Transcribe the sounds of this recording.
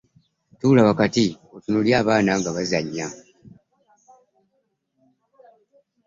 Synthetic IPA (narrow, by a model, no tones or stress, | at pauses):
tuːlaβakati | otunoljaːβaːnaːŋɡaβazaɲːa